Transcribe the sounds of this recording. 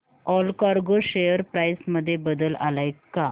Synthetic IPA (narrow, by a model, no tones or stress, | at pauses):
ɔlkaɾɡoɕejəɾpɾajsməd̪ʱːjebəd̪əla̰lajkːa